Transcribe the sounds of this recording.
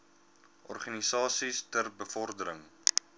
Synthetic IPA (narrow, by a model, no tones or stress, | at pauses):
ʔɔrχanisɑːsistərbəfɔrdəɾəŋ